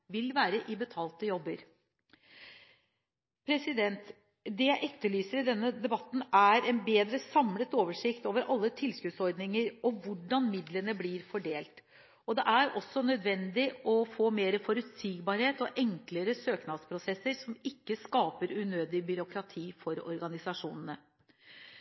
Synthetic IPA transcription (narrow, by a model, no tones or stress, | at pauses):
ʋɪlʋæːɾəʔɪbət̪ʰɑːlt̪əjɔbːəɾ | pʰɾɛsɪd̪ɛnt̪ | d̪ɛjæɪʔɛt̪ːəɭyːsəɾd̪ɛnːəd̪ɛbɑt̪ːn̩æɾɛnbeːd̪ɾəsɑmlət̪oːʋəʂɪkt̪oːʋəɾʔɑlːət̪ʰɪlskʉːd̪sɔɾd̪nɪŋəɾɔʋʊɖɑnmɪd̪lənəblɪɾfɔɖeːlt̪ | ɔd̪ɛʔæɾɔsːɔnœd̪ʋɛnd̪ɪɔfoːmeːɾəfɔɾʉt̪siːɡbɑɾheːt̪ɔʔɛŋkləɾəsøːknɑd̪spʰɾʊsɛsːəɾsɔmɪkːəskɑːpəɾʉnøːd̪ɪbʏɾʊkɾɑt̪ʰiːfɔɾɔ̰ɾɡɑnɪsɑʂuːnənə